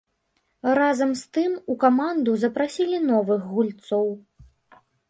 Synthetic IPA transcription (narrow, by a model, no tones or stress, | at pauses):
razɐmst̪ɨmukamand̪uzɐpɾasʲilʲinɔvɨɣɣulʲt̪sɔw